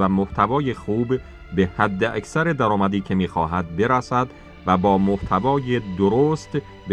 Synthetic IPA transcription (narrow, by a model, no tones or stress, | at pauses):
æmoht̪ʰævɒːjexuːbː | ehæd̪ːeʔæksæɾed̪æɾɒːmæd̪iːcʰe̞miːxɒ̰ːɦæd̪̚be̞ɾæsæd̪ | væbɒːmoht̪ʰævɒːjed̪oɾoːst̪ | b